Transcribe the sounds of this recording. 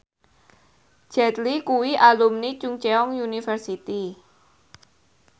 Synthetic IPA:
ʒ̥ɛt̪likuwiʔalumnit͡ʃʊŋt͡ʃeɔŋjunifərsit̪i

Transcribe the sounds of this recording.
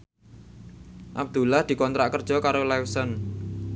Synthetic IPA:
ʔa̰b̚d̪̥ulahd̪̥i̤kɔnt̪ɾaʔkərd̥ʒ̥ɔ̤kaɾolajwsɔn

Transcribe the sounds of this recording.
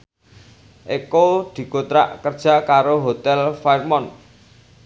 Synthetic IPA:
ʔikod̪̥i̤kot̪ɾa̰ʔkərd̥ʒ̥ä̤kaɾoɦot̪ɛlfajrmɔn

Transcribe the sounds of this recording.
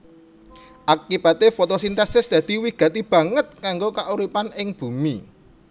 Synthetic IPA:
ʔakib̥at̪efot̪osint̪ɛsɪsd̪̥a̤d̪̥i̤wiɡ̥ä̤t̪ib̥ä̤ŋət̪̚kaŋɡokaʔuɾipanɪŋb̥ṳmi

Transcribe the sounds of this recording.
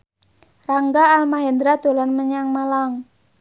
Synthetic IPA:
raŋɡaːlmaɦɛnd̪ɾad̪̥o̤lanməɲaŋmalaŋ

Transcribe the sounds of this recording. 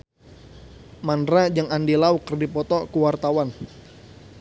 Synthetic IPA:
manrad͡ʒəŋandilaukərdipɔt̪ɔkuwart̪awan

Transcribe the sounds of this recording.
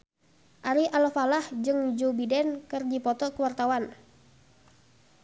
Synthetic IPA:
ʔaɾiʔalfalahd͡ʒɨŋd͡ʒubidɛnkɨrd͡ʒipɔt̪ɔkəwart̪awan

